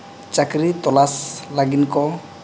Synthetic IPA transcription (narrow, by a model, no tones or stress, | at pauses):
t͡ʃakɾit̪ɔlaslaɡinkɔ